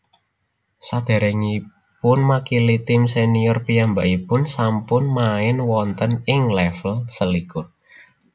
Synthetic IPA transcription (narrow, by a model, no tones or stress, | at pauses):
sad̪̥a̤ɾɛŋi | pʊnmakilit̪ɪmsenijɔrpijambaʔipʊnsampʊnmaɪnwɔnt̪ənɪŋlɛfəlsəlikʊr